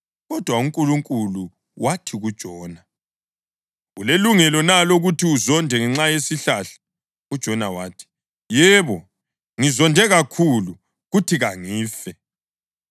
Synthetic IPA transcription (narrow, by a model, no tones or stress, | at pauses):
ɣɔd̥ʱwauŋkʼuluŋkʼulu | wʔatʰiɣud̥ʒ̥ʱɔːna | ɣuleluŋɛlɔnaloɣutʰiuzɔndʱɛŋɛŋ͡ǁajesiɬaɬḁ | ud̥ʒ̥ʱɔnawaːtʰi̥ | jɛβɔ | ŋizɔndʱɛɣakʰulu | ɣutʰiɣaŋiːfɛ